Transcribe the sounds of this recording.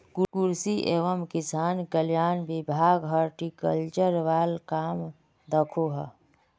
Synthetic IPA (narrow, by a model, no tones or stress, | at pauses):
kukuɾsiʔeʋəmkɪsaːnkəljaːnbibʱaːɡɦəɾʈikəlt͡ʃəɾʋaːlkaːm | d̪əkʰoɦə